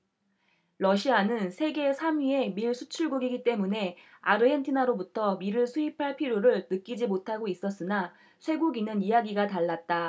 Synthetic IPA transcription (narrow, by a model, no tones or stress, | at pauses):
ɾʌɕʰianɯnsʰe̞ɡe̞sʰamie̞miɭsʰut͡ɕʰuɭɡuɡiɡit͈e̞mune̞ | a̰ɾɯentʰinaɾobutʰʌmiɾɯɭsʰuipʰaɭpʰiɾjoɾɯɭnɯk͈id͡ʑimotʰaɡois͈ʌs͈ɯna | sʰwe̞ɡuɡinɯnijaɡiɡataɭːat̚t͈a